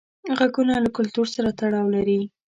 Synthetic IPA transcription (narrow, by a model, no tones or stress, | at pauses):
ɣaɡunalakʊlt̪uɾsaɾat̪aɽɑwlaɾi